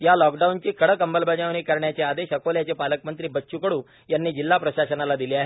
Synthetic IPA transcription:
jalɔkɖaunt͡ɕiːkəɽəkəmbəlbʱəd͡ʑaʋɽ̃iːkəɾɳjat͡ɕead̪eɕəkoljat͡sepaləkmənt̪ɾiːbətːɕukəɽũː | janːiːd͡ʑilːapɾəɕasənalad̪iliːaɦe

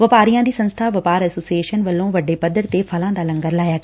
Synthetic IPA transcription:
ʋəpaːɾijãːd̪iːsə̃nst̪ʰaːʋɐpaːɾɛːsoːsieːʃənʋəlːõːʋɐɖeːpɐd̪ːəɾt̪epʰɐlãːd̪aːlɐ̃ŋɡəɾlaːjaːɡ

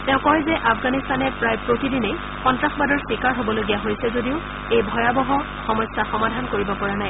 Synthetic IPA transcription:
tɛʊ̃kɔjzɛʔafʰɡanist̪anɛpɹajpɹotidinej | xɔntɹaxbadɔɹswikaɹɦobɔloɡijaɦojsɛzodiʊ | ejbʱɔjabɔɦɔ | xɔmɔsːaxɔmadʱankoɹibɔpɔɹanaj

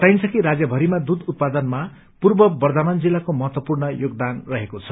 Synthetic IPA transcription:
t̪ajnt͡sʰʌkiɾad͡zjʌbʱʌɾimad̪ud̪ut̪̚pad̪ʌnma | purbʌbʌrd̪ʱamand͡zilːakomʌɦʌt̪wʌpurnʌjoɡ̚d̪anrʌɦekot͡sʰʌ̥

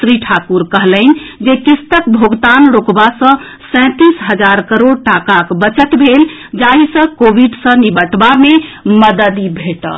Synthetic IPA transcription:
sɾiʈʰakuɾkəɦlənd͡ʒekist̪əkbʱoɡt̪anɾokbasə̃ | sɛ̃t̪isɦəd͡ʒaɾkəɾoɽʈakakbət͡ʃət̪bʱel | d͡ʒaɦisə̃kobiɖsə̃nibəʈbameməd̪əd̪ibʱeʈə̰

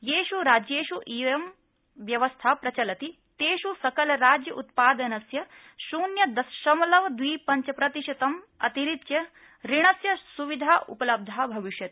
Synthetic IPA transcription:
jeːʃuɾaːd͡ʒjeːʃuʔiːʋjɐm | ʋjɐʋɐst̪ʰaːpɾɐt͡ʃɐlɐt̪i | t̪eːʃusɐkɐlɐɾaːd͡ʒjɐʔut̪paːd̪ɐnɐsjɐ | ʃuːnjɐd̪ɐsʃɐmɐlɐʋɐd̪ʋiːpɐɲt͡ʃɐpɾɐt̪iʃɐt̪ɐm | ɐ̰t̪iɾit̪jɐ | ɾiɳɐsjɐsuʋid̪ʱaːʔṵpɐlɐb̚d̪ʱaːbʱɐʋiʃjɐt̪i̥

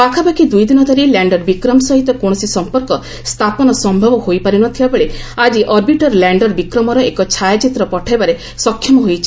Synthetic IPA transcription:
pakʰabakid̪ujd̪inɔd̪ʱɔɾilaɳɖɔɾbikɾɔmsɔɦit̪ɔkõɔsisɔmpɔɾkɔ | st̪ʰapɔnɔsɔmbʱɔbɔhojpaɾinɔt̪ʰibabeɭead͡ʒiʔɔɾbiʈɔɾlaɳɖɔɾbikɾɔmɔɾɔekɔt͡ʃʰajat͡ʃit̪ɾɔpɔʈʰajbaɾe | sɔkʰːjɔmɔɦojt͡ʃʰi̥

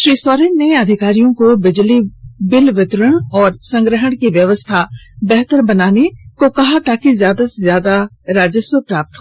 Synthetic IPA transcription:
ʃɾiːsɔːɾenːeɐd̪ʱɪkaːɾijõkobɪd͡ʒlibɪlʋɪt̪ɾəɽ̃ɔːɾsə̃ŋɡɾəɦəɽ̃kiʋjɐʋəst̪ʰabɛɦt̪əɾbɐnaːnekokɐɦat̪aːkizjaːd̪asezjaːd̪a | ɾaːd͡ʒəswəpɾaːp̚t̪ɦo

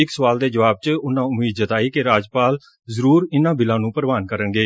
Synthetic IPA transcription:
ɪksəʋaːld̪eːd͡ʒəʋaːb̚t͡ʃəʊnãːʊmiːd̪d͡ʒət̪aːiːkɪɾaːd͡ʒpaːl | zəɾuːɾɪnãːbɪlãːnũːpəɾʋaːnkəɾəŋɡeː

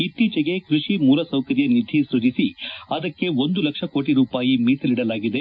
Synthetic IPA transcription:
it̪ːiːt͡ʃɐɡe̞kɾuʂimuːɾɐsɐwkɐɾjɐnid̪ʱːisɾud͡ʒisiɐd̪ɐkːe̞ond̪ulɐkʂɐko̞ːʈiɾuːpaːjimiːsɐliɽɐlaːɡid̪e

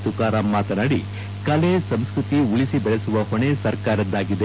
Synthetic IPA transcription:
t̪ukaːɾamːaːt̪ɐnaɽi | kɐlesɐmskɾut̪iuɭisibɐɭesuʋɐhoɳesɐɾkaːɾɐd̪aːɡid̪e

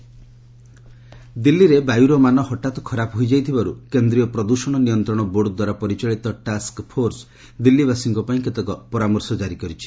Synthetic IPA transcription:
d̪ilːiɾebajuɾɔmanɔhɔʈat̪ɔ̥kʰɔɾapɔɦojd͡ʒajt̪ʰibaɾṵkend̪ɾijɔpɾɔd̪uʃɔɽ̃ɔnijɔnt̪ɾɔɽ̃ɔboɽd̪waɾapɔɾit͡ʃaɭit̪ɔʈaskpʰoɾs | d̪ilːibasiŋkɔpaĩket̪ɔkɔpɔɾamɔɾsɔd͡ʒaɾikɔɾit͡ʃʰi̥

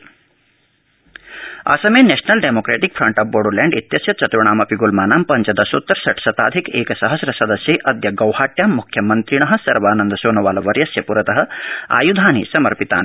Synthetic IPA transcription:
ɐ̰ːsɐmeːneːʂɐnɐlɖemoːkɾeːʈikfʰɾɐɳʈɐːf̚boːɖuleːɳɖit̪jɐsjɐt͡ʃɐt̪ɾuɳ̃aːmɐpiɡulmaːnaːmpɐɲt͡ʃɐd̪ɐsut̪ːɐɾsɐʈsɐt̪a̰ːd̪ʱikeːkɐsɐɦɐsɾɐsɐd̪ɐsjeːʔɐd̪jɐɡɐwhaːʈjaːmːukʰjɐmɐnt̪ɾiɳɐɦɐ̆sɐɾʋaːnɐnd̪ɐsoːnɐʋaːlɐʋɐɾjɐsjɐpuɾɐt̪ɐɦɐ̆a̰ːjud̪ʱaːnḭsɐmɐɾpit̪a̰ːn

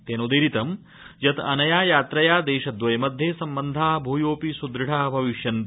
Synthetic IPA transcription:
t̪eːnoːd̪eːɾit̪ɐm | jɐt̪ɐnɐjaːjaːt̪ɾɐjaːd̪eːʃɐd̪ʋɐjmɐd̪ʱjesɐmbɐnd̪ʱaːbʱuːjoːpisud̪ɾɐʈaːbʱɐʋiʃjɐn

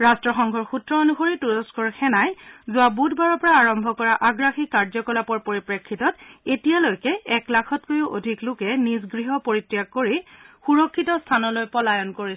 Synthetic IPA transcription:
ɹastɹɔxɔŋɡʱɔɹxutɹɔonuxoɹituɹɔskɔɹxɛnajzʊwabudʱbaɹɔpɔɹaːɹɔmbʱɔkɔɹaʔaɡɹaxikaɹzɔkɔlapɔɹpoɹipɹekʰːitɔtetijalojkɛɛklakʰɔtkojuʔodʱiklʊkɛnis̬ɡɹiɦɔpoɹitɹijak̚koɹixuɹɔkʰːitɔstʰanɔlojpɔlajɔnkoɹi

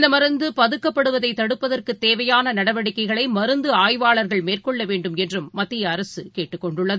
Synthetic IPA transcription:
nd̪ɐmɐɾɯnd̪ɯpɐðɯkːɐpːɐɽɯʋɐðɐɪt̪ːɐɽɯpːɐðɐrkɯt̪ːeːʋɐjaːnɐnɐɽɐʋɐɽɪkːɐɪɣɐɭɐɪmɐɾɯnd̪ɯaːjʋaːɭɐɾɣɐɭmeːrkɔɭːɐʋeːɳɖɯmɛndrɯmːɐt̪ːɪjɐːɾɐsɯkeːʈːɯkːɔɳɖʊɭːɐðɯ

